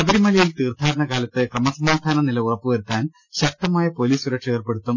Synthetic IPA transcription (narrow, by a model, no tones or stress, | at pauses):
nɐbɐɾimɐlɐjilt̪iːrd̪ʱaːɾɐɳɐkaːlɐt̪ːɨkrɐmɐsɐmaːd̪ʱaːnɐnilɐurɐpːɨʋɐɾut̪ːaːn | ɕɐk̚t̪ɐmaːjɐpo̞liːsuɾɐkʂeːrpeɽut̪ːum